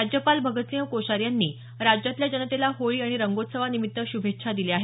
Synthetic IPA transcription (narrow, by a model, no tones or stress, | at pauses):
ad͡ʑjəpalbʱəɡət̪sĩəkoɕaɾjanːiː | ɾad͡ʑjat̪ljad͡ʑənət̪elaɦoɭiːaɽ̃iɾəŋɡot̪səʋanimit̪ːəɕubʱetːɕʰad̪ileaɦe